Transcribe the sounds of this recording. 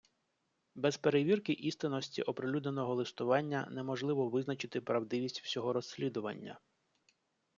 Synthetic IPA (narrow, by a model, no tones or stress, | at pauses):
bɛzpeɾeʋʲirkɪʔist̪ɪnɔsʲtʲḭʔɔpɾɪlʲud̪ne̞nɔɦɔlˠɪst̪ʊʋɑnʲːɐnɛmɔʒlˠɪʋɔʋɪznɐt͡ʃɪt̪ɪpɾɐwd̪ɪʋʲisʲtʲw̥sʲɔɦɔɾɔsʲːlʲid̪ʊʋɐ̰nʲːɐ̰